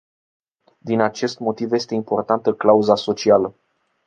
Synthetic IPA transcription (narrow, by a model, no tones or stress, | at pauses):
d̪inat͡ʃe̞st̪mo̞t̪ivje̞st̪e̞impo̞rt̪ant̪əklauzaso̞t͡ʃialə